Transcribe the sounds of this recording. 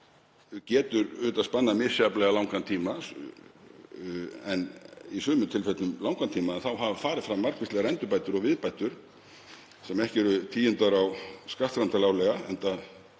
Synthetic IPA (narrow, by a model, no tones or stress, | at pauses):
cɛːt̪ʏɾʏːt̪aðspanːamɪ̥sjaplɛɣalawŋkant̪ʰiːma | ɛnisʏːmʏt̪ʰɪlfɛt̪nʏmlawŋkant̪ʰiːmaɛnθawɦavfaːɾɪðfɾamːar̥kvɪst̪lɛɣaɛnt̪ʏpajt̪ʏɾɔɣvɪðpajt̪ʏɾ̥ | sɛmɛhcɪɛɾʏt̪ʰiːjɪnt̪aɾawskaht̪ɾant̪alaːwlɛɣaɛnt̪a